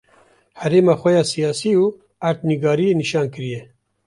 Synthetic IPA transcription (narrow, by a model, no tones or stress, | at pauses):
hɛɾeːmɑːxʷɛjɑːsijɑːsiːuː | aɾt̪̚niɡɑːɾijeːniʃɑːnkɨɾijɛ